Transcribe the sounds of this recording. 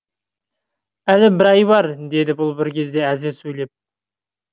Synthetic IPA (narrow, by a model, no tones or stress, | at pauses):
ælɪbɪɾɑjbɑɾd̪e̞d̪ɪbʊlˠbɪɾkʲʰe̞zd̪e̞æzɪɾsɵjle̞p̚